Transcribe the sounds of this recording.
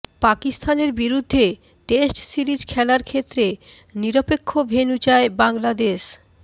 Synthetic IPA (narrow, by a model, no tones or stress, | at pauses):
pakist̪ʰaneɾbiɾud̪ʱːe | ʈesʈsiɾid͡ʑkʰɛlaɾkʰet̪ːɾe | niɾopekʰːobʱenut͡ɕaebaŋlad̪eʃ